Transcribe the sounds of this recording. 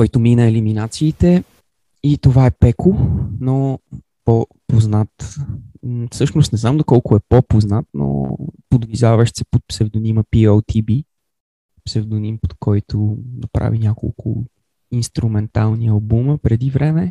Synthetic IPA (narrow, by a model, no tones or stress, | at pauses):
kɔjt̪ʊminəɛliminat̪siːt̪ɛ | it̪ovaɛpɛkʊno | pɔpoznat̪ | fsɤʃnʊst̪nɛznamd̪okɔlˠkʊɛpɔpoznat̪no̰pod̪vizavəʃsɛ̥pot̪̚psɛvd̪oniməpiolˠt̪ʰibi | psɛvd̪onimpot̪kʰɔjt̪ʰʊnɐpɾa̰vinʲjako̰lˠkʰʊ̰ | inst̪ɾumɛnt̪alˠniɐlˠbuməpɾɛd̪ivɾɛmɛ